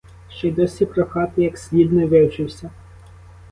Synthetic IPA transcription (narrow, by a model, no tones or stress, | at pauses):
ʃt͡ʃɛjd̪ɔsʲipɾɔxɑt̪ɪjɐksʲlʲid̪nɔʋɪwt͡ʃɪwsʲɐ